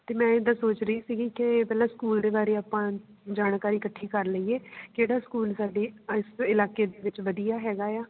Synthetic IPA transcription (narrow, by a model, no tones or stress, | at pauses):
t̪eːmɛ̃ːɪd̪aːsoːt͡ʃɾəiːsiːɡiːkɪpɛːlãːskuːld̪eːbaːɾeːaːpãː | d͡ʒaːnkaːɾiːkəʈʰːiːkəɾləiːeːkeːɽaːskuːlsaːɖeːɪsɪlaːkeːd̪eːʋɪt͡ʃʋəd̪ijaːɦɛːɡaːjaː